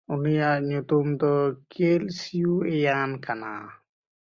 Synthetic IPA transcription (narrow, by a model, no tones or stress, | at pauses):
unijaʔɲut̪umd̪ɔkelsijuɛjankana̰